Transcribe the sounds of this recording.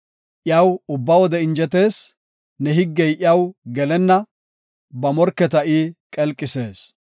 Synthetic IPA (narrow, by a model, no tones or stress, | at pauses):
ʔɪjɐwʊbːɐwɔd̪ɛɪnd͡ʒɛt̪e̞ːs | nɛɦɪɡːɛjʔɪjɐwɡɛlɛnːɐ | bɐmɔɾkːɛt̪ɐʔikʼɛlkʼːɪse̞ːs